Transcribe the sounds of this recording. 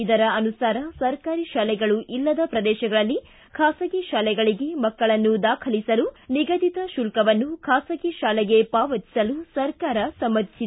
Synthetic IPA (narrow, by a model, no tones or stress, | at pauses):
id̪ɐɾɐɐnusaːɾɐsɐɾkaːɾiʃaːlɛɡɐɭuʔilːɐd̪ɐpɾɐd̪ɛːʃɐɡɐɭɐlːi | kʰaːsɐɡiʃaːlɛɡɐɭiɡe̞mɐkːɐɭɐnːud̪aːkʰɐlisɐluniɡɐd̪it̪ɐʃulkɐʋɐnːukʰaːsɐɡiʃaːlɛɡe̞paːʋɐt̪i̥sɐlusɐɾkaːɾɐsɐmːɐd̪isid̪